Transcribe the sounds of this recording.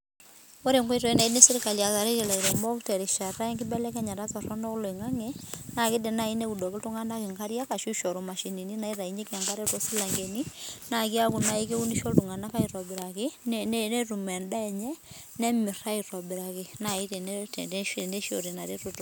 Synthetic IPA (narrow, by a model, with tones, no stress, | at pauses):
o˦ɾe˨ŋkwɔ˦i˦tɔ˨i˦na˨i˦ne˦si˦ɾi˦ka˨lja˨ka˨ɾe˦ɾe˨la˨i˨ɾɛ˨mɔ˦ktɛ˨ɾi˨ʃa˨ɾa˦i˦ŋkɪ˦bɛ˦lɛ˦ka˦ɲa˨ɾa˦t͡sɔ˨rɔ˦nɔ˦klo˨i˨ŋa˦ŋɛ˦na˨kɪ˦de˨na˦˨i˦ne˦u˨dɔ˨kɪ˦tu˦ŋa˦nda˦kɪ˨ŋka˦ɾja˦ka˨ʃu˦ʃɔ˨ɾo˨ma˨ʃi˨ni˨ni˦na˨i˦ɾa˨i˨ɲɛ˦ka˨ŋka˦ɾe˦tɔ˦si˦la˨ŋɡe˨ni˦na˨ki˦a˦ku˨na˨i˦ke˦u˦ni˦ʃɔ˦ltu˨ŋa˨na˦ka˦i˨ɾɔ˨bɪ˨ɾa˨kɪ˦nn˦nɛ˦ru˨mɛ˨nda˦ɛ˨ɲɛ˦ | nɛ˦mɪ˨ra˦i˨ɾɔ˨bi˨ɾa˨kɪ˨na˨i˦te˨n˨ʃne˦ʃo̰˨ɾi˨na˨ɾe˦ɾo˨to˨˦